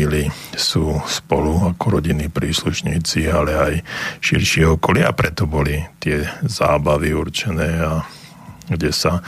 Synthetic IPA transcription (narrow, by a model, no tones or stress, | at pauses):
ilisuːspɔluakɔɾɔɟinːiːpɾiːsluʃɲiːt͡sialɛajʃiɾʃɪɛɔkɔlɪaapɾɛt̪ɔbɔlit̪ɪɛza̰ːbaʋiuɾt͡ʃɛnɛːa | ɡɟɛsa